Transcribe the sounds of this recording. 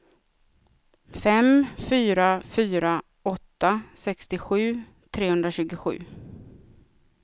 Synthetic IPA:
fɛmfyːɾafyːɾa | ɔt̪ːasɛkst̪ɪɧʉ̟ː | t̪ʰɾeːhɵnd̪ɾaɕʉ̟ːɡʊɧʉ̟̰ː

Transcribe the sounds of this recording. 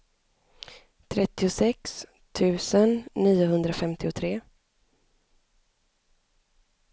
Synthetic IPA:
t̪ʰɾɛt̪ːɪʊsɛks | t̪ʰʉ̟ːsənːiːʊɦɵnd̪ɾafɛmt̪ɪʊt̪ʰɾeː

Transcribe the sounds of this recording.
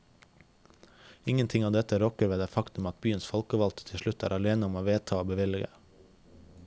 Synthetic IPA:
ɪŋənt̪ʰɪŋɑːd̪ɛt̪əɾɔkəɾʋeːd̪eːfɑkt̪ʉmɑt̪̚byːənsfɔlkəʋɑlt̪t̪ʰɪʃɭʉt̪æ̰ːɾɑleːnəɔmoːʋeːt̪ʰɑːoːbəʋɪlɪɡə̰

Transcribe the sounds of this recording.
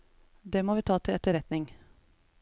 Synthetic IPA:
d̪eːmoːʋiːt̪ʰɑːt̪ʰɪɛt̪ːəɾɛt̪nɪŋ

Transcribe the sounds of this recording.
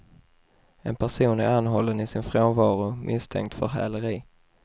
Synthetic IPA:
ɛnpʰæʂuːnæɾanːɦɔlːənɪsɪnfɾoːnvɑːɾʊmʔɪst̪ʰɛ̰ŋkt̪fœɾɦæ̰ːləɾiː

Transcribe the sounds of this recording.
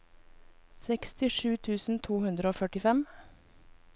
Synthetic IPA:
sɛkst̪ɪʃʉːt̪ʰʉːsn̩t̪ʰuːhʉnd̪ɾəoːfœʈɪfɛm

